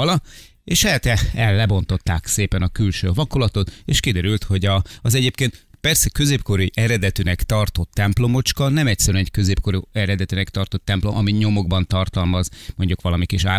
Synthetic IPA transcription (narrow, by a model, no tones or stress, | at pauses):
ɒlɒ | eːʃɛt̪ɛɛlːɛbo̞nt̪o̞t̪ːaːkseːpɛnɒkylʃøːvɒkolɒt̪o̞t̪eːʃkid̪ɛɾylt̪ho̞ɟɒɒzɛɟeːpkeːnt̪pɛrsɛkø̞zeːpko̞ɾiʔɛɾɛd̪ɛt̪ynɛkt̪ɒrt̪o̞t̪ːɛmplo̞mo̞t͡ʃkɒlnɛmɛcsɛɾyɛnɛɟkø̞zeːp̚ko̞ɾuɛɾɛd̪ɛt̪ynɛkt̪ɒrt̪o̞t̪ːɛmplo̞mʔɒmiɲo̞mo̞ɡbɒnt̪ɒrt̪ɒlmɒzmo̞ɲɟukʋɒlɒmikiʃaː